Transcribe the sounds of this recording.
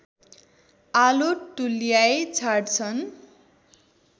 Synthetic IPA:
aloʈulijajt͡sʰarʈt͡sʰʌn

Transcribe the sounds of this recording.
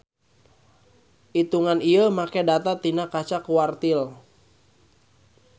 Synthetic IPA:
ʔit̪uŋaniəmakɛdat̪at̪inakat͡ʃakuwart̪il

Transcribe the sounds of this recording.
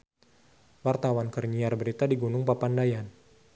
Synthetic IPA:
wart̪awankərɲiarbəɾit̪adiɡunʊŋpapandajan

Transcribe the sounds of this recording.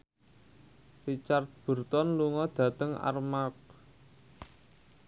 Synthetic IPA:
rit͡ʃart̪̚b̥ṳrt̪ɔnluŋɔd̪̥ä̤t̪əŋa̰rmak̚

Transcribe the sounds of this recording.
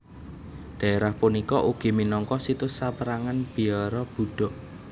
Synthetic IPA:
ɖ̥a̤eɾahpunikɔʔuɡ̥i̤minɔŋkɔsit̪ʊsːapəɾaŋanb̥i̤ɔɾɔb̥ṳɖ̥ɔ̤ʔ

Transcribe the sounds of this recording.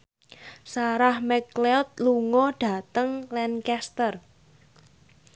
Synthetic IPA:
saɾahmɛkleɔt̪̚luŋɔɖ̥ä̤t̪əŋlɛnkɛst̪ər

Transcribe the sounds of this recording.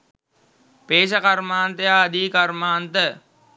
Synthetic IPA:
peːʃ̬əkaɾmaːnt̪əjaːd̪iːkaɾmaːnt̪ə

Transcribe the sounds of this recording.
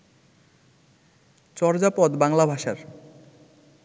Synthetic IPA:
t͡ɕɔɾd͡ʑapɔd̪baŋlabʱaʃaɾ

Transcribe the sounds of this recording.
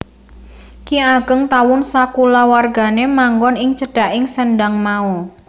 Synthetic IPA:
kiaɡ̥əŋt̪awʊnsakulawarɡa̤nemaŋɡɔnɪŋt͡ʃəɖ̥a̤ʔɪŋsənɖaŋmau

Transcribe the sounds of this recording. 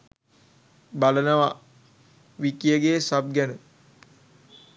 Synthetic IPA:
balənəʋa | ʋikijəɡesab̚ɡænə

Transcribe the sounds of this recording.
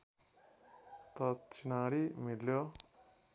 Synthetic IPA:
t̪ʌt͡ʃinaɾimiljo

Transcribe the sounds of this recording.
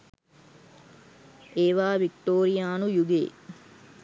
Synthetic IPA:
ʔeːʋaːʋikʈoːɾijaːnujuɡḛː

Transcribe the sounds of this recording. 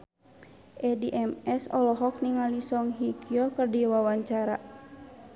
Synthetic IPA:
ʔɛdiʔɛmɛsɔ̰lɔɦɔk̚niŋalisɔŋɦikiɔkərdiwawaɲt͡ʃaɾa

